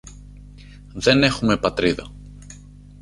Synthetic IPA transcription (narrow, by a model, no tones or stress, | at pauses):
ðe̞ne̞xume̞pɐt̪ɾiðɐ̰